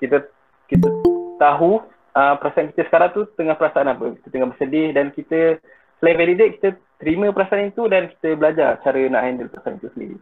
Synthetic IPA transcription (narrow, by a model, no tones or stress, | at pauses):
kit̪ə | kit̪ət̪aɦu | əmpəɾasaʔankit̪əsə̥kaɾaŋt̪ut̪əŋahpəɾasaanapəki̥t̪ət̪əŋahbərsədɪhdankit̪ə | səlaĩveɾideʔ̪̚ki̥t̪ət̪əɾimə̃pəɾasaanit̪udanki̥t̪əbəlad͡ʒart͡ʃaɾəna̰ʔjndəlpəɾasa̰nit̪usəndḭɾḭ